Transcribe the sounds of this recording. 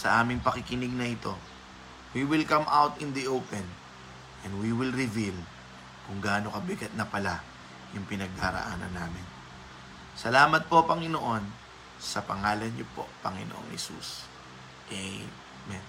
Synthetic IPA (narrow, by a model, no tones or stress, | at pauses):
sɐ̰ʔaːmɪŋpɐkɪkɪnɪɡ̚nɐʔɪt̪o̞ | wiwɪlkɐmʔawt̪ɪ̃nd̪iʔopɛn | ʔɛnd̪wiwɪlɹɪvil | kʊŋɡaːno̞kɐbɪɡɐt̪̚nɐpɐla | jʊŋpɪnɐɡ̚d̪aɾɐ̰ʔa̰ːnɐ̰nːaːmɪn | sɐlaːmɐt̪̚po̞pɐŋɪnoʔo̞n | sɐpɐŋaːlɐnɲopo̞̰pɐŋɪ̰noʔo̰ŋhɛ̰sṵs | ʔɛj | mɛn